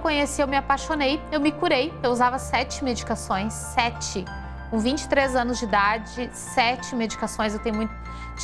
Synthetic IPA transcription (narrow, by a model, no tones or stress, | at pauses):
kõɲesiewmɪapaʃonejewmɪkuɾejewuzavɐsɛt͡ʃɪmed͡ʒikasõj̃sːɛt͡ʃɪ | kũvĩt͡ʃɪ̥t̪ɾezɐ̃nʊzd͡ʒɪd̪ad͡ʒɪsɛt͡ʃɪmed͡ʒikasõj̃s̬ewt̪ẽɲ̃ʊmũj̃t̪ʊ